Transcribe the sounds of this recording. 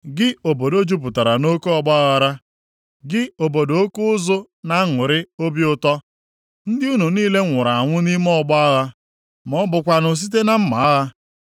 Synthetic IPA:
ɡɪ˦o˨bo˨do˦d͡ʒu˦p̬ʊ˨ta˨ɾa˨no˦ko˦ɔ˦ɡ͡bɔ˦a˦ɣa˨ɾa˦ | ɡɪ˦o˨bo˨do˦kʊ˦ʊ˦zʊ˦ | na˦ŋʊ˨ɾɪ˦o˦bjʊ˦tɔ˦ | n̩˦dɪ˦u˦nu˨niː˦le˦ŋʷʊ˨ɾa˨a˨ŋʷʊ˦ni˦mɔ˦˨ɡ͡bɔ˦a˦ɣa˦ | mɔ˦bʊ˨kʷa˨nʊ˨s̬i˦t̬e˦na˦m̩˦ma˨a˦ɣa˦

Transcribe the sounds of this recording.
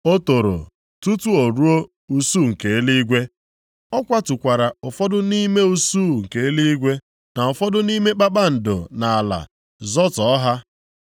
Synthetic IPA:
o˦to˨ɾo̰˨ | tu˦tu˦o˨ɾu˦o˦ | u˦su˦˨ŋ̩˨ke˨e˦li˦ɡʷe˦ | ɔ˦kʷa˦tu˨kʷa˨ɾa˨ʊ˨fɔ˦dʊ˦ni˦me˦u˦su˦˨ŋ̩˨ke˨e˦li˦ɡʷe˦ | na˨ʊ˨fɔ˦dʊ˦ni˦me˦k͡pa˦ɓa˦n̩˨dʊ̰˨na˨a˨la̰˨ | zɔ˦tɔ˨ɔ˦ɦa˦

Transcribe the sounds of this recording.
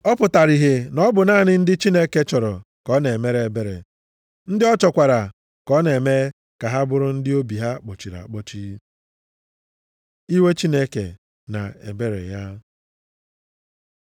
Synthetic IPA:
ɔ˦pʊ˨ta˨ɾi˨ɦe˨nɔ˦bʊ˨naː˦˨nɪ˦n̩˦dɪ˦t͡ʃi˦ne˦ke˦t͡ʃɔ˨ɾɔ˨ | kɔ˦ne˨me˦ɾe˨e˨be˦ɾḛ˨ | n̩˦dɪ˦ɔ˦t͡ʃɔ˨kʷa˨ɾa˨ | kɔ˦ne˨me˦e˦ | ka˨ɦa˦bʊ˦ɾʊ˦n̩˦dɪ˦o˦bi˨ɦa˦k͡po˨t͡ʃi˨ɾa̰˨k͡pɔ˦t͡ʃi˦ | i˦we˦t͡ʃi˦ne˦ke˨ | na̰˨ḛ˨be˦ɾḛ˨ja˦

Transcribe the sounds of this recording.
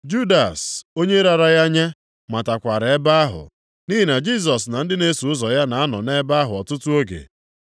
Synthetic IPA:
d͡ʒu˦da˨so˦ɲe˦ɾa˨ɾa˨ja˦ɲa˦ | ma˨ta˨kʷa˨ɾe˦ba˦a˦ɦʊ̰˨ | ni˦ɦi˨na˨d͡ʒi˦s̬ɔ˨sna˨n̩˦dɪ˦ne˦su˨ʊ˦zɔ˨ja˦na˨a˦nɔ˨ne˦ba˦a˦ɦʊ˨ɔ˨tʊ˦tʊ˦o˦ɡḛ˨

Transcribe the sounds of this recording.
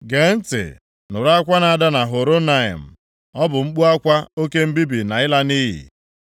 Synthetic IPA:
ɡe˨n̩˦tɪ̰˨ | nʊ˨ɾa˦kʷa˦na˨a˨da˦na˨ɦo˨ɾo˦na˨ḭ˨m̩˨ | ɔ˦bʊ˨ŋ͡m̩˦k͡pu˦a˦kʷa˦o˦ke˦m̩˦bi˦bi˨na˨ɪ˦la˦ni˦ɦḭ˨

